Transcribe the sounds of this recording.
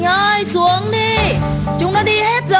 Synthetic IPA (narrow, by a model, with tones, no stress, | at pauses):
əː˧jsu˨˦əŋɗi˧ | t͡ɕʊ˨˦ŋ͡mɗɔ˨˧˦ɗi˧he˦˥t̚zə˧˨